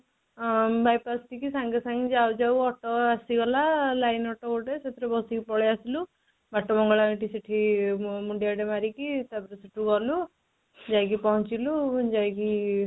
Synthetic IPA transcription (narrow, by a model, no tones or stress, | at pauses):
bajpast̪ikisaŋɡesaŋɡid͡ʒawd͡ʒawɔʈɔasiɡɔlalajnɔʈɔoʈeset̪ɾebɔsikipɔɭeasilu | baʈːɔmɔŋɡɔɭaiʈisiʈʰimuɳɖijaɖemaɾikit̪abɔɾesiʈʰuɡɔlu | d͡ʒajk̬ipɔɦɔt͡ʃilud͡ʒajki